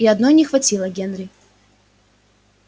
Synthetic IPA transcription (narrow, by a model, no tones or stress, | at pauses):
iɐd̪no̞jnʲɪxvɐtʲilˠəɡʲenɾʲɪ